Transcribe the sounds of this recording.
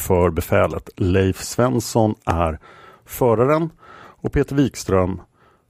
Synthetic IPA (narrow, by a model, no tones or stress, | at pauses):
fœɾbɛfɛːlə̰t̪lɛjfsvɛnsɔnæɾ | fœːɾaɾənɔpʰeːt̪əɾviːkst̪ɾœm